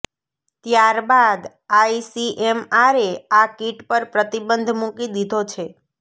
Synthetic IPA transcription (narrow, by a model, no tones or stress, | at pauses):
t̪jaɾbad̪ | aisiʔemaɾeakiʈpəɾpɾət̪ibənd̪ʱmũkid̪id̪ʱot͡ʃʰe